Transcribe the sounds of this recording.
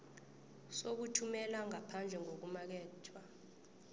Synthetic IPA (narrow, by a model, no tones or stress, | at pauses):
sok̬utʰumɛlaŋapʰand͡ɮʱɛŋok̬umak̬ɛːtʰwa